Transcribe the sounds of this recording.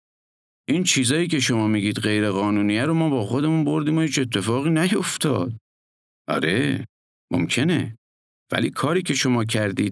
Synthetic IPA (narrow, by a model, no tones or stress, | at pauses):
ʔiːnt͡ʃʰiːzɒːjiːcʲʰe̞ʃo̞mɒːmiːɡiːd̪ɢe̞jɾe̞ɣɒːnuːniːjæɾo̞mɒːbɒːxo̞d̪e̞munbo̞ɾd̪iːmohiːt͡ʃe̞t̪ʰːe̞fɒːɣiːnæjo̞ft̪ʰɒ̰ːd̪̥̚ | ʔɒ̰ɾe̞ | mo̰mcʰe̞ne̞̰ | v̥æ̰lḭːkʰɒːɾiːcʰe̞ʃo̞mɒːcʰæɾd̪iːd̪